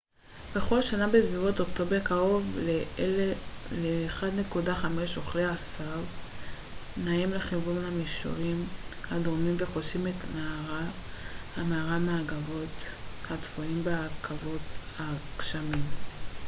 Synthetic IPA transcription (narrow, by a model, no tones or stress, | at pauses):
be̞χo̞lʃanabesvivotoktobekaʁo̞v | leːχadnekudaχameʃo̞χleasav | naimle̞χivunhamiʃo̰ʁimhadomimveχoʃimetmaaʁa | ameaʁameaɡavo̞tkatfoimbeakʰavo̞takʃamim